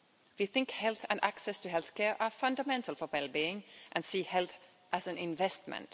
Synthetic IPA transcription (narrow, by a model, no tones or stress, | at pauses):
fiθɪ̃ŋkhɛlˠθɨ̃ndæksɛstʰɨɦɛlˠθkʰɛɹʔəfʌ̃ndəmɛ̃ntʰəl̩ˠfəwɛlˠbiɪ̃ŋʔɨ̃nsiːhɛlˠθ | ʔəzɨ̃nɪ̃ɱvɛst̚mə̰̃nt